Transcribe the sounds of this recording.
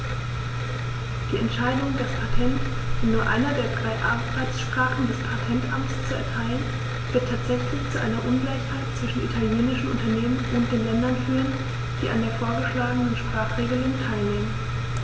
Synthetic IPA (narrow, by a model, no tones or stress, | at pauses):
d̥iːɛntʃaɪdʊŋdaspʰatʰɛnt | ɛnuːɐʔa̰ɪnɐdeːɐdʁaɪʔa̰ʁaɪsʃpʁ̥aːχn̩dɛspʰatʰɛntʔa̰mtt͡st͡suɛ̰ɐtʰaɪlən | v̥ɪɐtʰːaːtz̥ɛçlɪçt͡suʔaɪnɐʔʊnɡlaɪçhaɪt̚t͡sv̥ɪʃn̩ʔḭtʰaljeːnɪʃn̩ʔʊ̰ntɐneːmənʊnt̚d̥eːnlɛndɐnfyːʁən | d̥iːʔandeːɐfoːɐɡəʃlaːɡənənʃpʁ̥aːχʁ̥eːɡəlʊŋtʰaɪlneːmən